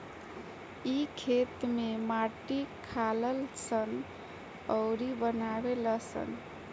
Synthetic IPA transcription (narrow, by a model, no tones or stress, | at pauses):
ikʰet̪memaʈikʰaləlsən | əʊɾibənabeləsə̰n